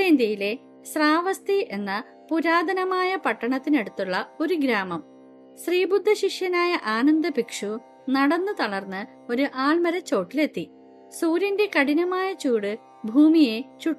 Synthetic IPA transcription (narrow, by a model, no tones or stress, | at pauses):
eːnd̪jɐjile̞ | sraːʋɐst̪iʔe̞nːɐ | puɾaːd̪ɐnɐmaːjɐpɐʈːɐɳɐt̪ːine̞ɽut̪ːuɭːɐo̞ɾuɡɾaːmɐm | sriːbud̪ʱːɐɕiʂjɐnaːjɐʔaːnɐnd̪ɐbikʂu | nɐɽɐnːɨt̪ɐɭɐrnːɨ | o̞ɾuʔaːɭmɐɾɐt͡ɕːo̞ːʈːile̞t̪ːi | suːɾɐnde̞kɐɽinɐmaːjɐt͡ɕuːɽɨ | bʱuːmije̞t͡ɕuʈː